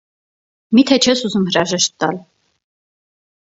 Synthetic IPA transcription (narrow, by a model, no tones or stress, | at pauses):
mit̪ʰɛt͡ʃʰɛsuzumhəɾɑʒɛʃt̪ːɑ̰l